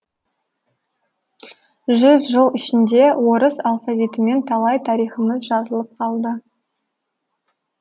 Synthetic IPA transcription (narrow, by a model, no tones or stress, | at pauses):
ʒʏzʒəlˠɪʃɪnd̪e̞wo̞ɾəsalˠfavʲijt̪əme̞nt̪ʰɑlˠɑjt̪ʰɑɾijχəməzʒɑzəlˠəp̚qʰɑlˠd̪ə